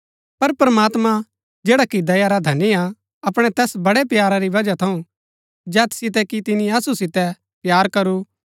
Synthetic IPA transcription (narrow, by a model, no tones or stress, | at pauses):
pɐɾpɾəmaːt̪mã | d͡ʒeːɽakid̪ɐjaɾad̪ʱɐnːia | ɐpɽ̃ɛt̪ɛːsbɐɽɛpjaːɾaɾiʋɐd͡ʒat̪ʰɐũ | d͡ʒɛːt̪sɪt̪̬ɛkit̪ɪnĩɐsusɪt̪ɛ | pjaːɾkɐɾu